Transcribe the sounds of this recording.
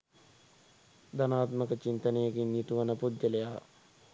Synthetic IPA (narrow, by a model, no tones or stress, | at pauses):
d̪ɐnaːt̪məkət͡ʃint̪ənejɐkinjit̪uʋɐnəpud̪jɐlejaː